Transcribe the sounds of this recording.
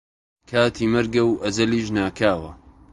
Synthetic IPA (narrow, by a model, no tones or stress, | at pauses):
kʰaːt̪ʰiːmɐɾɡɐwʔɐzɐliːʒnaːkʰaːwɐ̰